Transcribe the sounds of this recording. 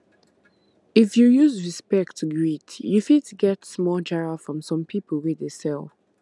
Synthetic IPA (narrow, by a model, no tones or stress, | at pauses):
ifjujuzɹispɛk̚tʰːuɡɹitjufidtɡɛtsmɔd͡ʒɛɹafɹɔ̃msɔ̃mpʰipəl̩ˠwɛdesɛlˠ